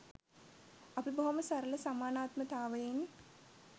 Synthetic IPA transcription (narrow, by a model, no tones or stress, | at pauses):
ɐpɽibɐʋɐmɐsɐɾɐlɐsɐmaːnaːt̪mɐt̪aːʋɐjen